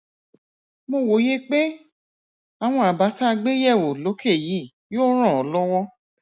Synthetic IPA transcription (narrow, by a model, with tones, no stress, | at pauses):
mo˧˨wo˨˦je˦k͡pe˦ | a˨w̃ɔ̃˧a˨ba˨˦ta˦˧ɡ͡be˦jɛ˦˨wo˨lo˨˦kʰe˦˨ji˨˦˨ | joː˦ɾ̃ã˦˨ɔ˨˦lɔ˦wɔ˦